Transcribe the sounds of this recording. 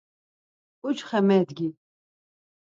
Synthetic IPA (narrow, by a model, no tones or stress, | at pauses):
ut͡ʃχɛmɛd̪ɡʲi